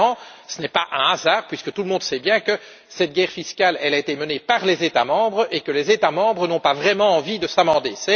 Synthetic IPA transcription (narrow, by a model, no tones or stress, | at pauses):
ɑ̃sənɛpaʔɛ̃azaːʁpɥiskət̪uləmɔ̃d̪sɛbjɛ̃kə | sɛt̪̚ɡʲɛːʁfiskʲalɛlaet̪emənepaʁlɛzet̪a̰mɑ̃bʁekəlɛzet̪amɑ̃bʁənɔ̃pavʁɛmɑ̃ɑ̃vid̪əsamɑ̃d̪esɛ